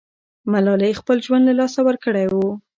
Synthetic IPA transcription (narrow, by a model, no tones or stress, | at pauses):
malɑlejxpəlʒwand̪lalɑsawəɾkəɽajwu